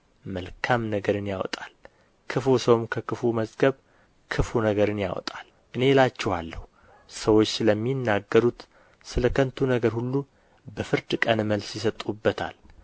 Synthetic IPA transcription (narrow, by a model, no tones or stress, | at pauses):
məlkʰamnəɡəɾɨnjawɔ̰t̪ʼal | kʰɨfusəwmkʰəkʰɨfuməzɡəβ | kʰɨfunəɡəɾɨnja̰wɔ̰t̪ʼal | ʔɨne̞lat͡ʃːɛhwalːəhu | səwo̞t͡ʃːsɨləmːinːaɡːəɾut̪ | sɨləkʰənt̪ʰunəɡəɾhulːu | bəfɨɾd̪kʼənɨməlsjɪs̬ət̪ʼubːət̪ʰa̰l